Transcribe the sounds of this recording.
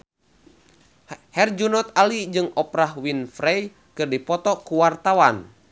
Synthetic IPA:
hɛrd͡ʒunɔt̪alid͡ʒɨŋɔpɾahwinfɾɛj | kɨrdipɔt̪ɔkuwart̪awan

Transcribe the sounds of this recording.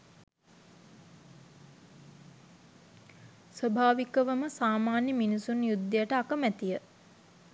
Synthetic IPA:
sʋəbʱaːʋikəʋəməsaːmaːnjəminisunjud̪ːəjəʈəakəmæt̪ijə

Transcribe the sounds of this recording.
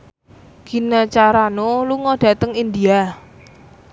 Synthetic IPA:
ɡ̥i̤nat͡ʃaɾanoluŋɔɖ̥ä̤t̪əŋind̪ia

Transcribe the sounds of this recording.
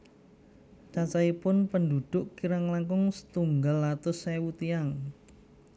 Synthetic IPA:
t͡ʃat͡ʃaipʊnpənduɖ̪̥ʊʔkiɾaŋlaŋkʊŋsə̥t̪uŋɡalat̪ʊsɛwut̪iaŋ

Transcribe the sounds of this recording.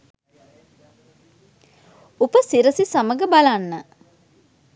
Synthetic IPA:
upəsiɾəsisaməɡəbalanːə

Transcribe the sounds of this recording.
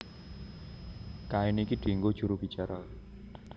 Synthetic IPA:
kainikiɖ̪̥i̤ŋɡod̥ʒ̥uɾub̥i̤t͡ʃaɾa

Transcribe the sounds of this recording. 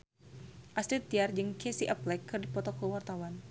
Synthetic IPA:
ʔasɾit̪̚ːiard͡ʒɨŋkɛsiʔaplɛkːɨrdipɔt̪ɔkəwart̪awan

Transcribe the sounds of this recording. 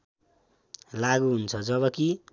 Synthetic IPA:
laɡuɦunt͡sʰʌd͡zʌβʌki

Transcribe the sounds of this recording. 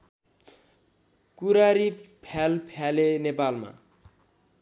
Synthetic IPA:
kuɾaɾipʰalpʰalenepalma̰

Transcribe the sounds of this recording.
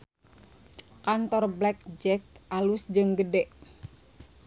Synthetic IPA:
kant̪ɔrblɛk̚d͡ʒɛk̚ʔalusd͡ʒɨŋɡədɛʔ

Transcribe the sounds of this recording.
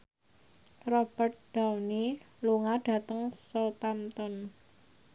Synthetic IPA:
rɔb̥ərt̪̚ɖ̥awni | luŋaɖ̥a̤t̪əŋsɔt̪amt̪ɔn

